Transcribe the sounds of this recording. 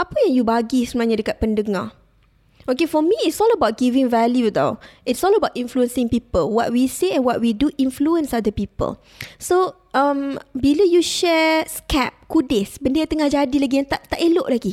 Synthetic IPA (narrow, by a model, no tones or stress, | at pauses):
apəjãŋjubaɡisənaɲadəkat̚pəndəŋa | ʔokefɔmiɪtsɔləbawt̚ɡivɪ̃ŋvɛljud̪a̰ɪtsɔləbawtĩnfluə̃nsɪ̃ŋpipəlwɔt̚wiseɛ̃nwɔt̚widuʔĩnfluə̃nsadəpipə̰l | so | ʔãmbiləjuʃɛskɛp̚kudesbəndiat̪əŋahd͡ʒadilaɡijãŋt̪aʔt̪aʔeloʔlaɡi